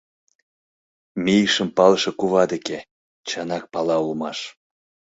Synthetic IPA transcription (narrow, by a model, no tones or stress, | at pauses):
mijʃəmpɑlʃĕkuβɑd̪eke | t͡ɕɑnɑk̚pɑlɑulmɑʃ